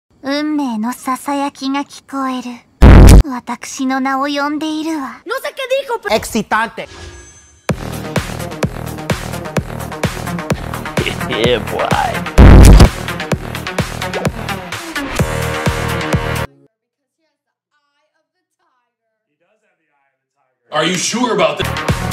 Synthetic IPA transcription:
ɯ̃mːe̞ːno̞sasajakʲiŋakʲi̥ko̞e̞ɾɯ̟ | βat̪akɯ̟̥ɕino̞nao̞jõ̞nd̪e̞iɾɯ̟βanõseked̪ixopeksit̪ãnt̪e | eba̰j | a˞jɨʃuɹəbaʊt̪̚ð

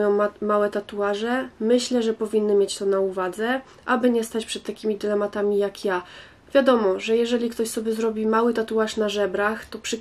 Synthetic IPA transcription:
jɔ̃w̃mawɛt̪at̪uaʐɛmɘɕlɛʐɛpɔvʲinːɘmʲjet͡ɕt̪ɔnauvad̪zɛ | ʔabɘɲɛst̪at͡ɕpʂɛt̪ːakʲimʲid̪ɘlɛmat̪amʲijakja | vʲjad̪ɔmɔʐɛjɛʐɛlʲikt̪ɔɕsɔbʲjɛzɾɔbʲimawɘt̪at̪uaʂnaʐɛbɾaxt̪ɔpʂɘ

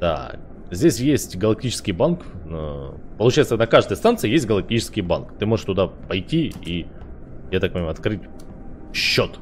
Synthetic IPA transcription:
d̪a̰ | zʲdʲesʲjesʲtʲɡəlˠɐk̚tʲit͡ɕɪ̥skʲɪjbank̪əpəlˠʊt͡ɕajɪt̪sənɐkaʐd̪əjst̪ant̪sɨjesʲt̚ʲɡəlˠɐk̚tʲit͡ɕɪ̥skʲɪjba̰nkt̪ɨmo̞ʐɨʂt̪ʊd̪apɐjtʲii | jat̪ak̚pənʲɪmaɐt̪kɾɨtʲ | ɕːot̪

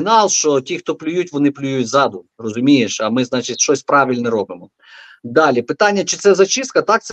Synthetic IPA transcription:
nɑlˠʃt͡ʃɔtʲixt̪ɔplʲʊjutʲʋɔnɪplʲʊjutʲzɑd̪ʊrɔzʊmʲijeʃɐmɪznɑt͡ʃɪtʲʃt͡ʃɔsʲpɾɑʋʲilʲnɛɾɔbɪmɔ | d̪ɑlʲipɪt̪ɑnʲːɐt͡ʃɪ̥t̪sɛzɐt͡ʃist̪̚kɐt̪ɑk̚t̪s

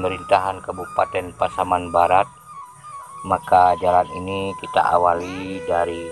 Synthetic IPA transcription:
məɾint̪aɦankəbupat̪ɛnpasamanbaɾat̪̚ | makad͡ʒalaninikit̪a̰ʔa̰walidaɾi

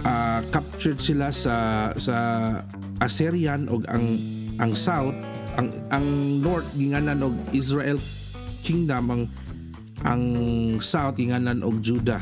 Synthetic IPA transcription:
ʔakap̚t͡ʃʊɹsɪlasasa | ʔasiɾjanʔʊɡa̰ŋ | ʔaŋsawt̪̚ʔaŋʔaŋnoɹt̪̚ɡɪŋalanʊɡ̚is̬ɹaʔɛl | kiŋd̪amaŋ | ʔaŋsawt̪̚ɡɪŋaːlanʔʊɡ̚d͡ʒud̪a

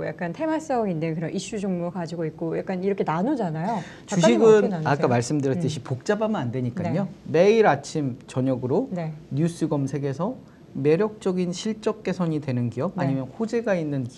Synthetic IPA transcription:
ja̰k͈antʰe̞mas͈ʌŋindekɯɾʌnʔiɕ͈ud͡ʑoŋmuɭkad͡ʑiɡoik̚k͈ojak͈aniɾʌkʰe̞nanod͡ʑanajo | t͡ɕuɕʰiɡɯnak͈amaɭs͈ɯmdɯɾjʌt͈ɯɕʰipok̚t͡ɕ͈abamɯnandwe̞ɲik͈aɲome̞iɾat͡ɕʰimt͡ɕʌɲʌɡɯɾoneɲus͈ʰɯɡʌmsʰe̞ɡe̞sʰʌ | me̞ɾjʌk̚t͡ɕ͈ʌɡinɕʰiɭt͡ɕ͈ʌk̚k͈e̞sʰʌɲidwe̞nɯnkijʌb̚aɲimjʌnhod͡ʑe̞ɡainːɯn

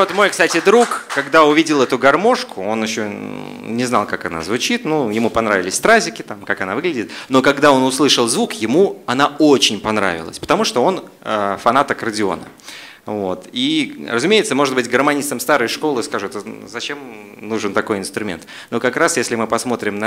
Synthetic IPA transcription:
vot̪mo̞jkst̪atʲɪd̪ɾukkɐɡd̪aʊvʲidʲɪlˠɛt̪ʊɡɐrmo̞ʂkʊo̞nɪɕːo | nʲɪznalˠkakɐna̰zvʊt͡ɕit̪nujɪmupɐnɾavʲɪlʲɪsʲft̪ɾazʲɪkʲɪt̪amkakɐnavɨɡlʲɪdʲɪt̪no̞kɐɡd̪ao̞nʊslˠɨʂəlˠzvukjɪmuɐnao̞t͡ɕɪnʲpɐnɾa̰vʲɪlˠə̰sʲpə̥t̪ɐmuʂt̪o̞o̞nəfɐnat̪əkərədʲɪo̞̰nə̰ | vo̞t̪irə̰zʊmʲejɪt̪səmo̞ʐɨd̪̚bɨtʲɡərmɐnʲist̪əmst̪aɾəjʂko̞lˠɨskaʐɨɛt̪əzɐt͡ɕe̞m | nuʐɨnt̪ɐko̞jɪnst̪ɾʊmʲent̪ | nokɐkɾasjesʲlʲɪmɨpɐsmo̞t̪ɾʲɪmnə

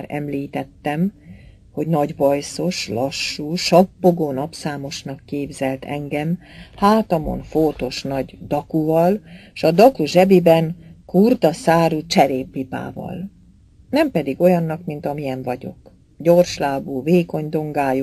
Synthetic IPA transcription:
ɾɛ̰mliːt̪ɛt̪ːɛm | ho̞ɟnɒɟvɒjso̞ʃlɒʃːuːʃɒpːo̞ɡoːnɒpsaːmo̞ʃnɒkːeːbzɛlt̪ʰɛ̰ŋɡɛmhaːt̪ɒmo̰nfoːt̪o̞ʃnɒɟd̪ɒkuvɒlʃɒd̪ɒkuʒɛbibɛnkurd̪ɒsaːɾut͡ʃɛɾeːpːipa̰ːvɒ̰l | nɛmpɛd̪iɡo̞jɒnːɒkmint̪ɒmijɛɱvɒɟo̞̰k | ɟo̞rʃlaːbuveːko̞ɲd̪o̞ŋɡaːju

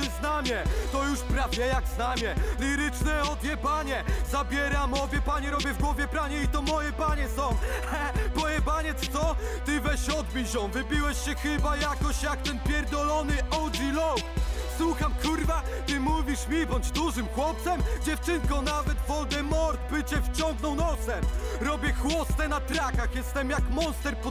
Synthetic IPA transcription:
t̪ɪznamʲɛt̪ɔjuʂpɾavʲjɛjaɡznamʲɛlʲiɾɘt͡ʂnɛɔd̪vʲjɛpaɲɛzabʲjɛɾamɔvʲjɛpaɲɛɾɔbʲjɛvɡwɔvʲjɛpɾaɲɛit̪ɔmɔjɛpaɲɛsɔ̃w̃ | ɛmɔjɛpaɲɛt̪st̪sɔ | t̪ɘvɛɕɔd̪̚bʲiɕjɔ̃w̃vɘbʲiwɛɕɕɛxɘbajakɔɕjakt̪ɛnpʲjɛɾd̪ɔlɔnɘʔɔwdilɔk | swuxamkuɾva | t̪ɨmuvʲiʂmʲibɔɲd͡ʑd̪uʐɘmxwɔp̚t̪sɛmd͡ʑɛft͡ʂɘŋkɔ̃navɛt̪vɔld̪ɛmɔɾt̪pɘt͡ɕɛft͡ɕɔŋɡnɔ̃w̃nɔt̪sɛ | ɾɔbʲjɛxwɔst̪ɛnat̪ɾakaxjɛst̪ɛmjakmɔnst̪ɛɾpɔ

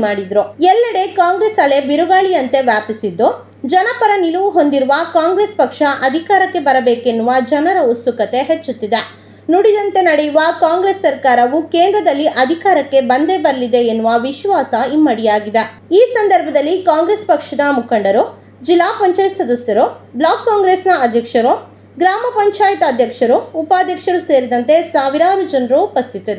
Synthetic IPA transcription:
maːɽid̪ɾuɛlːɐɽe̞kaːŋɡɾeːsɐle̞biɾuɡaːɭijɐnt̪e̞ʋjaːpisid̪ːu | d͡ʒɐnɐpɐɾɐniluʋuɦo̞nd̪iɾuʋɐkaːŋɡɾeːspɐkʂɐʔɐd̪ʱikaːɾɐkːe̞bɐɾɐbeːkenːuʋɐd͡ʒɐnɐɾɐusukɐt̪e̞ɦet͡ʃːut̪ːid̪e | nuɽid̪ɐnt̪e̞nɐɽejuʋɐkaːŋɡɾesːɐɾkaːɾɐʋukeːnd̪ɾɐd̪ɐlːiʔɐd̪ʱikaːɾɐkːe̞bɐnd̪e̞bɐɾɐlid̪e̞ːnːuʋɐʋiʃʋaːsɐimːɐɽijaːɡid̪e | iːsɐnd̪ɐɾbʱɐd̪ɐlːikaːŋɡɾeːspɐkʂɐd̪ɐmukʰɐɳɖɐɾu | d͡ʒilːaːpɐɲt͡ʃaːjt̪sɐd̪ɐsjɐɾublaːkːaːŋɡɾeːsnɐːd̪ʱjɐkʂɐɾu | ɡɾaːmɐpɐɲt͡ʃaːjɐt̪ɐd̪ʱjɐkʂɐɾuːpaːd̪ʱjɐkʂɐɾuse̞ːɾid̪ɐnt̪e̞saːʋiɾaːɾud͡ʒɐnɾuːpɐst̪ʰit̪id̪e

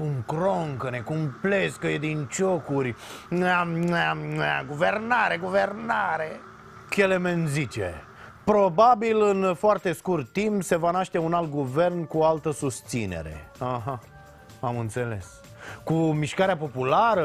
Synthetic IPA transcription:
uŋkɾoŋkəne̞kumpleskəjed̪int͡ʃokurʲa | ɡuvernaɾeɡuvernaɾe | kelemenzit͡ʃḛ | pɾo̞babilɨnfoart̪e̞skurt̪ːimpse̞vanaʃt̪e̞unalt̪̚ɡuve̞rnkualt̪əsust̪sine̞̰ɾe̞̰aɦa | amɨnt̪se̞le̞̰s | kumiʃkaɾeapo̞pulaɾə

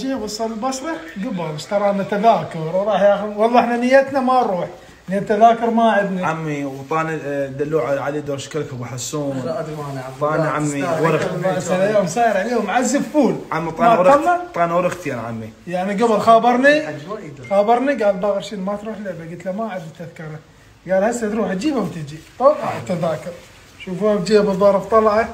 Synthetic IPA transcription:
d͡ʒiwʊsˤɑlɪlbɑsˤɾˤɑɡabɪlʃt̪ɑɾˤɑːnat̪aðaːkʊɾwɾˤɑːħjaːxʊwɑlˤːɑʔɪħnanɪjːat̪namaɾˤuːħ | niat̪ːaðaːkʊɾˤmaʕɪd̪niʕamːiwt̪ˤɑːnid̪alːuːʕʕaleːd̪oːɾˤʃkɪlkʊbaħasːuːnanˤɑːniʕamːiɾɑsalajaːhʊmsaːjɪɾʕaleːhʊmʕazːɪbfuːlʕamːit̪ˤɑwɾalːat̪ˤːɑːnawɾɪxt̪janʕa̰mːi | jaʕniɡabɪlxaːbɑɾˤni | xaːbɑɾˤniɡaːlbaːɣɪɾʃiːnmat̪ɾuːħlɪʕbaɡɪt̪lamaʕad̪t̪aðkɑɾˤa | ɡaːlhasːat̪ɾuːħd͡ʒiːbawt̪ɪd͡ʒibt̪ˤoˤɑħt̪aðaːkʊɾˤ | ʃuːfabd͡ʒiːabɨðˤːɑɾˤɑbt̪ˤɑlʕa

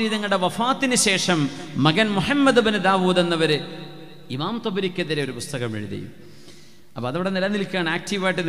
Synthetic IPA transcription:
ɾiːðɐŋːɐɭɽeʋɐfaːt̪ːinɨɕe̞ːʂɐmːɐɡɐnmuɦɐmːɐd̪ɨbɐnɨd̪aːʋuːd̪e̞nːɐʋɐɾɨ | imaːmt̪obɐɾikʲːɐðiɾeo̞ɾupust̪ɐɣɐmʋḛɻuðɐ̰jṵm | ɐpːoɐðɐʋiɽenilɐnilkʲːaːɳaːk̚tiʋaːjiʈːɨn

